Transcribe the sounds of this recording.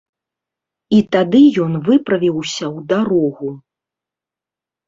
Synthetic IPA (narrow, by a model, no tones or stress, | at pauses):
it̪ad̪ɨjɔnvɨpɾɐvʲiwsʲɐwd̪aɾɔɣu